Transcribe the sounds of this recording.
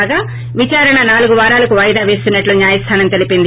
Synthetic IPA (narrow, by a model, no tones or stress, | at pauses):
ɡaː | ʋit͡ʃaːɾɐɳɐnaːluɡuʋaːɾaːlɐkuʋɐjd̪aːʋe̞ːst̪unːɐʈluɲjaːjɐst̪ʰaːnɐmt̪e̞lipind̪i